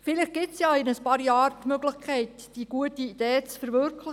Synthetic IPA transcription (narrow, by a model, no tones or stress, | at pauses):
fɪlɪχɡ̥ɪtsjɑːɪnəspɑːɾjɑːɾtmøɡlɪχkʰɛɪtd̥iɡ̥uətiid̥eːt͡sfəɾʋøɾkʰlə